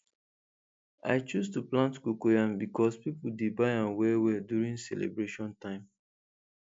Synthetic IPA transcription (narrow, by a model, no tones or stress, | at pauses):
a̰ɪt͡ʃustuplãntkukojãmbikɔspipudebaɪãnwɛwɛdjuɹĩŋsɛlḛbɹeʃɔ̃ntãɪ̃m